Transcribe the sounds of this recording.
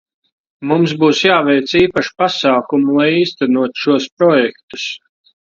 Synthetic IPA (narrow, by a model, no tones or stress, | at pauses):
mumsbuːsjaːvɛjt̪siːpaʃi̥pasaːkumulˠajiːst̪ænuɔt̪u̥ʃuɔspɾɔjɛkt̪u̥s